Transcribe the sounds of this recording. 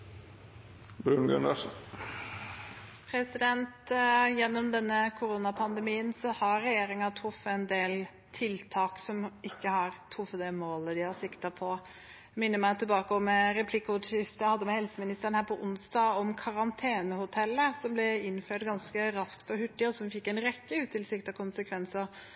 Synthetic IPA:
bɾʉnɡœ̰nɑ̰ʂ | pʰɾɛsɪd̪ɛnt̪jɛnːɔmd̪ɛnːəkʰʊɾuːnɑpʰɑnd̪ɛmiːənsɔhɑɾɛjeːɾɪŋɑt̪ʰɾʊfːəɛnd̪eːl | t̪ʰɪlt̪ʰɑːksɔmʔɪkːəhɑɾt̪ʰɾʊfːət̪d̪ɛmoːləd̪ɪhɑsɪkt̪ɑpʰɔ | mɪnːəɾmæɪt̪ʰːɪlbɑːkəɔmɾɛpʰlɪkːəʊt̪ʂɪft̪əjhɑd̪ːəmɛhɛlsəmɪnɪst̪əɾənhæːpʰɔʔʊnsd̪ɑːɔmkʰɑɾɑnt̪ʰeːnəhʊt̪ʰɛlːəsɔmblɛɪnːføːʈɡɑnskəɾɑskt̪ɔhʉʈːɪɔsɔmfɪkːɛɪnɾɛkːəʉːt̪ʰːɪlsɪkt̪ɑkʰʊnsəkʰʋɛnsəɾ

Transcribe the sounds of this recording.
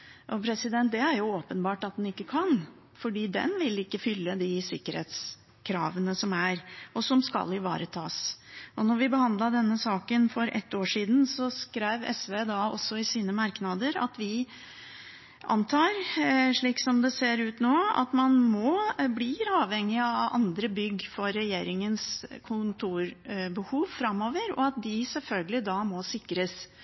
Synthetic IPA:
ʔɔpʰɾɛsɪd̪ɛnt̪̚d̪ɛæɾjʊoːpənbɑːʈɑt̪̚d̪ɛnɪkːəkʰɑn | fɔɖiːd̪ɛ̰nʋɪlɪkːəfʏlːəd̪ɪsɪkːəɾhḛːt̪s | kʰɾɑ̰ːʋənəsɔmæɾʔɔsɔmskɑ̰lːɪʋɑ̰ːɾət̪ʰɑ̰ːsɔnɔɾʋɪbəhɑnd̪lɑɖ̪ɛnːəsɑːkənfɔɾʔɛ̰t̪ːoːʂiːd̪n̩sɔskɾæɪʋɛ̰sʋeːd̪ɑɔ̰sːɔɪsiːnəmɑɾknɑd̪əɾɑ̰t̪ʋɪ | ʔɑ̰nt̪ʰɑːɾʂɭiːksɔmd̪ɛseːɾʉːt̪noːɑ̰t̪mɑnmɔbliɾɑːʋhɛŋːɪɑɑ̰nd̪ɾəbʏɡːfɔɾɛjeːɾɪŋənskʰʊnt̪ʰuːɾbəhuːʋfɾɑmːoːʋəɾɔ̰ɑt̪̚d̪ɪsɛlfœlɡəlɪd̪ɑmɔsɪkɾəs

